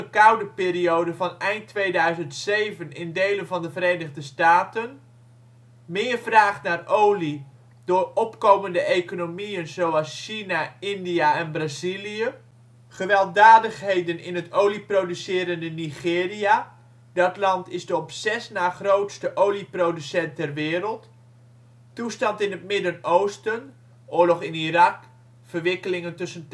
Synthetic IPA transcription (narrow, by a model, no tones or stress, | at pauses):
əkʌwdəpɪːriowdəvɑnɛjntʋejdœɥzəntsejvənɪndejlənvɑndəvəɾejnəχdəstaːtən | mɪːrvraːχtnaːrʔowli | d̥ʊːrɔpkowməndəejkonomijənzowɑlˠsʃinaɪndijaɛnbrazilijə | χəʋɛlˠdaːdəχɦejdənɪ̰nɦətowliprowdysɪːɾəndəniχɪːria | dɑtlɑntɪzdəɔpsɛsnaːχrowtstəʔowliprodysɛntɛrʋɪːɾəlˠt | tustɑntɪnɦətmɪdənowstən | ʔʊːɹlɔχɪnirɑk | fərʋɪkəlɪŋəntɵsən